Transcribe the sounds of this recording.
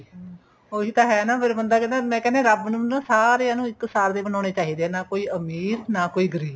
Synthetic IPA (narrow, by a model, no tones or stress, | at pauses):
oːiːt̪ãːɦɛːnãːpʰɪɾbənd̪aːkɛnẽːmɛ̃ːkɛːnẽːɾəbnũnãːsaːɾeːaːnũːɪksaːɾd̪eːbənãːneːt͡ʃaːɦiːd̪eːɛːnaːkoːiːəmiːɾnaːkoːiːɡəɾiːb